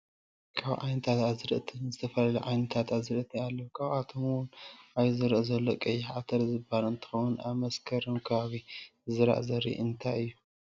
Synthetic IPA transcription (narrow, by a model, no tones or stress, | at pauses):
kʰaβʕa̰jnɐt̪ʰat̪azɨɾɨ̰ʔt̪ʰinzɨt̪ʰɐfɐlɐluʕajnɐt̪ʰat̪azɾɨʔt̪ʰialːɐwkʰaβʔat̪ʰomwʊnʔaβzɨɾɨʔzɐlːokʼɐjːɪħat̪ʰɐɾzɨbalɨnt̪ʰɨ̥xɐwunʔaβmɐskʰɐɾɨmkʰɐβaβizɨɾa̰ʔzɐɾḭʔɨnt̪ʰajɨjːu